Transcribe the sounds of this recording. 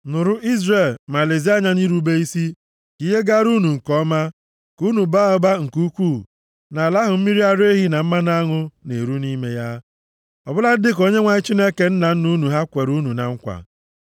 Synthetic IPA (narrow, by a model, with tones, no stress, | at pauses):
nʊ˨ɾʊ˦ʔi˦zre˨lma˨le˨zi˦a˦ɲa˦ni˦ɾu˦be˦i˦si˦ | ki˦ɦe˦ɡa˦ɾu˦nu˨ŋ̩˨kɔ˦ma˦ | ku˦nu˨ba˦ɔ˦ba˦ŋ̩˨ku˦kʷuː˦˨ | na˨la˦ɦʊ˨m̩˦mi˦ɾi˦a˦ɾe˦ɦi˦na˨m̩˦ma˦na˦ŋʊ˦ne˨ɾu˦ni˦me˦ja˦ | ɔ˨bʊ˦la˦dɪ˦k̬o˦ɲe˦ŋʷa˦ɲɪ˦t͡ʃi˦ne˦ke˨n̩˦na˨n̩˦nu˦nu˨ɦa˦kʷe˨ɾu˦nu˨na̰˨ŋ̩˦kʷa̰˨